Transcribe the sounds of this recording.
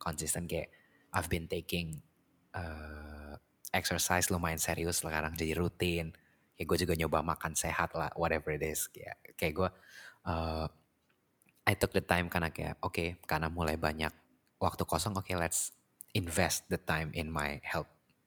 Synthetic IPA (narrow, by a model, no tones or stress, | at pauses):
kʰɔnsist̪ənkaja | ʔajvbɪnt̪ekɪŋ | ə | ɛksərsajslomaɪnseɾiʊslakaɾaŋd͡ʒadiɾut̪ɪn | kajaɡuad͡ʒuɡaɲobahmakansehat̪la̰hwɔtɛvəɾitɪskaja̰kajakɡuaʔə | ajt̪ʊk̚dət̪ajmkanaka̰ja̰ʔʔokekanamulajbaɲa̰k̚ | wak̚t̪ukɔsɔŋokelɛts | ɪnvɛst̪̚d̪ət̪ajmʔɪ̰nmajhɛlp̚